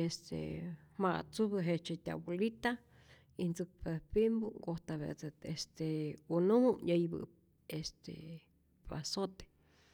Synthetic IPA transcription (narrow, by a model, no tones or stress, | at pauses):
est̪ḛmaʔt͡subɨɦet͡ʃet̪ʲa̰bulit̪a | int͡sɨk̚paðepimbuɡoht̪aβḛt͡seest̪eunumuʔɲəjbɨ̰ | est̪ḛ | a̰sot̪e̥